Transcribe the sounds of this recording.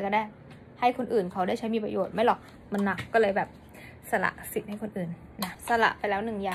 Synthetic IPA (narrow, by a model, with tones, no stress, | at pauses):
kɔ˧˥˩daː˥˩ | ha˥˩jkʰo˧nʔɯː˨˩nkʰa˦˥wdaː˥˩jt͡ɕʰa˦˥jmiː˧pɾa̰˧joː˨˩t̪̚ma˥˩jlɔ˨˩k̚ | ma˧nːa˨˩k̚ːɔː˥˩lɤː˧jbɛː˨˩p̚ | sa˧la̰˨˧˩ʔsi˨˩t̪̚ha˥˩jkʰo˧nʔɯː˨˩nːa˦˥sa˧la̰˨˩ʔpa˧jlɛː˦˥wnɯ˨˩ŋjaː˨˩